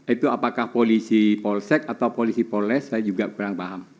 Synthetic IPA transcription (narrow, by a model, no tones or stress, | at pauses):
ʔit̪uapakahpolisipɔlsɛk̚at̪awpolisipolɛsad͡ʒuɡaʔkuɾaŋpaɦam